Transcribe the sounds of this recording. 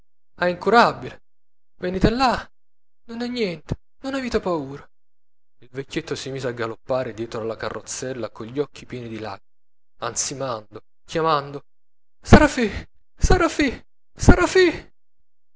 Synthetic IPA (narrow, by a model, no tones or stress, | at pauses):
aiŋkuɾabːile | veniːt̪elːa | nonɛnːjɛnt̪e̥ | nonaviːt̪epauːɾa | ilvekʲːet̪ːosimiːzeaɡːalopːaːɾed̪jɛːt̪ɾoalakarːot̪sːɛlːakoʎːɔkʰːipjɛːnid̪ila̰ɡ | ansimand̪o | kjamand̪o | saɾafi | saɾafi | saɾafi